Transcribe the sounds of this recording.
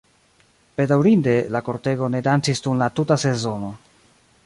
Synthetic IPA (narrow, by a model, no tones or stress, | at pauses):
b̥e̞dawɾinde̞lako̞ɾte̞ɡo̞ne̞dant͡sistunlatutase̞zo̞no̞